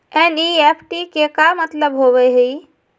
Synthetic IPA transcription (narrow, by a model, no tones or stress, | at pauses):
ɛniepʰʈikekamət̪ləbɦoβɛɦəj